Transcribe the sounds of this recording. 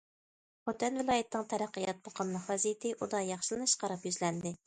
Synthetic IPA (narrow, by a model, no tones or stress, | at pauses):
χot̪ʰɛnvɪlˠɑːjit̪ʰɪnɨŋt̪ʰɛɾæqːəjɑt̪̚boqʰəmnɨχɛzijt̪ʰɪʔud̪ɑjɑχʃɪlˠɨnɨʃqɑɾɑpjyzlɛnd̪ɪ